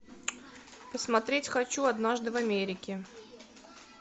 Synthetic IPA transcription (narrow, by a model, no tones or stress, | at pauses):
pəsmɐt̪ɾʲetʲxɐt͡ɕuɐd̪naʐd̪ɨvɐmʲeɾʲɪkʲɪ